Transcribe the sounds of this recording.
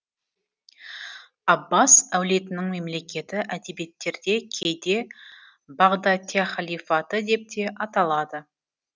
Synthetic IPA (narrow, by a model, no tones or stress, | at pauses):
ɑbːasæwle̞t̪ɪnɪŋme̞mle̞kʲe̞t̪ɪʔæd̪e̞be̞t̪ːe̞ɾd̪e̞kʲʰe̞jd̪e̞ | bɑʁd̪ɑt̪ʲiaχɑlʲijfɑt̪əd̪e̞p̚t̪ʰe̞ʔɑt̪ɑlˠɑd̪ə